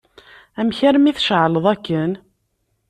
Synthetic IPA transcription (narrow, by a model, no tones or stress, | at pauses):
æmçæɾmiθʃʕləðˤækːən